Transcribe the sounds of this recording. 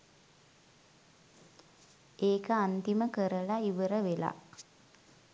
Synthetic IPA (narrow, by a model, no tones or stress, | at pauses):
eːkəant̪iməkəɾəlaiʋəɾəʋela̰